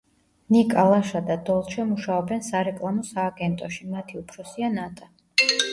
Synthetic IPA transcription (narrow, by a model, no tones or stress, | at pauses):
nikʼalˠaʃad̪ad̪ɔlˠt͡ʃʰɛmuʃaɔbɛnsaɾɛkʼlˠamɔsaːɡɛnt̪ʼɔʃimat̪ʰiupʰɾɔsianat̪ʼa